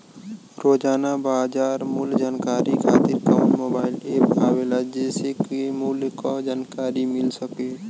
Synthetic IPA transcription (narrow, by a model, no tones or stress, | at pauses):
ɾoːd͡ʒaːnabaːd͡ʒaːɾmuld͡ʒaːnkaːɾikʰaːt̪ɪɾkaʊ̃ɳʈmoːbaːɪleːpaːwelad͡ʒeːsekemuːlkad͡ʒaːnkaːɾimɪlsəkeː